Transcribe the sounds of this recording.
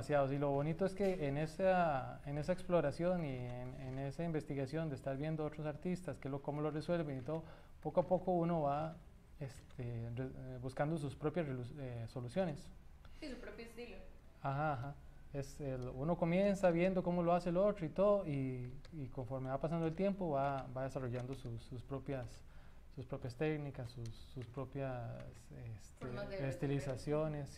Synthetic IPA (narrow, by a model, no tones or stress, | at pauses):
asjaðosilo̞βo̞nit̪oeske̞enesaene̞saeksplo̞ɾasjo̞nienenesaimbe̞st̪iɣasjo̞nd̪eːst̪aɾβje̞nd̪oot̪ɾosaɾt̪ist̪askelokomoloreswe̞lβe̞nit̪o̞ðo | po̞koapo̞ko̞uno̞βa | est̪ʰerebuskand̪os̬uspɾo̞pjasrelueso̞lusjo̞ne̞s | isupɾopjoest̪ilo | axaːxa | eselouno̞ko̞mje̞nsaβje̞nd̪o̞ko̞moloase̞lot̪ɾoit̪oðoiː | ko̞ɱfo̞ɾme̞βapasand̪oe̞lt̪je̞mpo̞βabaðesaro̞ʝand̪osususpɾo̞pjasː | uspɾo̞pjast̪e̞knikasːusːuspɾo̞pjasest̪eest̪ilisasjone̞s